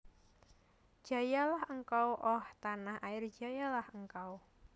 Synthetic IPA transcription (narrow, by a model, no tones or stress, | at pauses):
d̥ʒ̥a̤jalahəŋkawʔɔht̪anahaɪr̥d͡ʒ̥a̤jalahəŋkaw